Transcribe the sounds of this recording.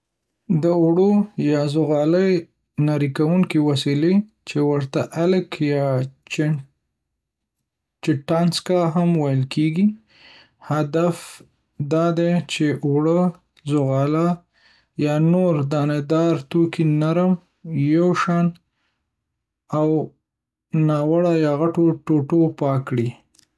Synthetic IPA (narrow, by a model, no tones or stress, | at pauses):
d̪əʊɽojɑzʊɣɑləj | naɾikawuŋkiwasile | t͡ʃewəɾt̪aʔaləkjɑ | t͡ʃɪʈɑnskaɦamwajəlkeɡi | had̪af | d̪ɑd̪et͡ʃeʔwɽə | zʊɣɑla | jɑnoɾd̪ɑned̪ɑɾt̪okinaɾəm | jawʃɑn | aw | nɑwaɽajɑɣaʈoʈoʈopɑkɽi